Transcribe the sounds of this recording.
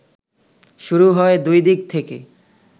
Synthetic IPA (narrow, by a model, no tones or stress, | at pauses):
ʃuɾuɦɔed̪ujd̪ik̚t̪ʰekḛ